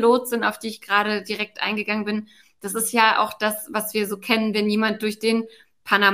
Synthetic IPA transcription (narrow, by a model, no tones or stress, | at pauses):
loːtz̥ɪna̰ʊfd̥iːɪçɡ̥ʁaːɾədiʁɛk̚tʔa̰ɪnɡəɡaŋənbɪn | d̥asɪstjaːʔa̰ʊxd̥asvasv̥iːɐzoːkʰɛnənvɛnjiːmant̚d̥ʊɐçd̥eːn | pʰana